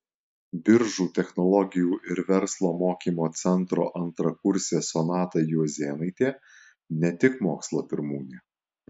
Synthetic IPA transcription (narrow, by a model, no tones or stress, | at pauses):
bʲɪɾʒuːt̪ʲɛxnɔlˠɔɡʲɪjuːʔɪɾʋʲɛɾslˠoːmoːkʲiːmoːt̪sʲɛnt̪ɾo̰ːʔɐnt̪ɾɐkʊɾʲsʲeːsɔnɑːt̪ɐjuzʲeːnɐɪt̪ʲeː | nʲɛt̪ʲɪkmoːkslˠoːpʲɪɾmuːnʲeː